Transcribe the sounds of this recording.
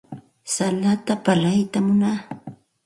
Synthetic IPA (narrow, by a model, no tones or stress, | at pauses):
salat̪apalajt̪amʊnaː